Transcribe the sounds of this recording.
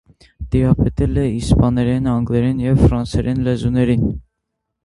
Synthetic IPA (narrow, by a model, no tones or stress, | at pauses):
d̪̥iɾɑpʰɛt̪ɛlɛispɑnɛɾɛnɑŋɡlɛɾɛnjɛvfɾɑnsɛɾɛnlɛzunɛɾin